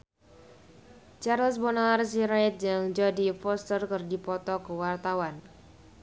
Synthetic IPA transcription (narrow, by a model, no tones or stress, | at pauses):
t͡ʃarləsbɔnalars̬iɾaɛt̪̚d͡ʒəŋd͡ʒadifɔst̪ərkərdipɔt̪ɔkəwart̪awan